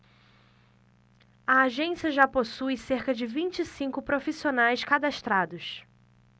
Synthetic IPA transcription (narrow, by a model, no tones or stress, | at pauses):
ɐaʒẽsiɐʒaposujseɾkɐd͡ʒɪvĩnt͡ʃɪsĩkʊpɾofisionajskad̪aʃt̪ɾad̪ʊs